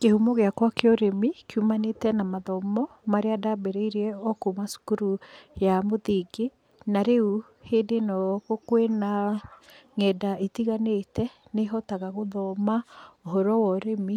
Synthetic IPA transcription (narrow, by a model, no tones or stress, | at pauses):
kehumɔɣeakwakeɔɾemikumanetɛnamaðɔmɔ | maɾeadabeɾeiɾeɛɔkomasu̥kuɾujamoðiɡe | naɾeu | heːndenɔɣokwena | ŋɛdaetiɣanetɛneɦɔtaɣaɣoðɔmaoɦɔɾɔwɔɾemi